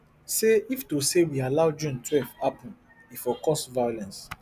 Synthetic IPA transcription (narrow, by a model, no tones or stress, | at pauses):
seiftusewialawd͡ʒũntʰwɛfapɔ̃n | ifɔkɔsvajolɛ̃ns